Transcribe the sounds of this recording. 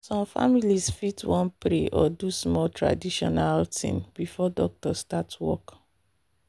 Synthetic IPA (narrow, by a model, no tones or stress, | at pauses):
sɔ̃mfa̰milisfitwɔ̃npɹeʔɔdusmɔtɹa̰diʃɔnaltʰḭ̃ŋbifɔdɔk̚tɔstatwɔ̰k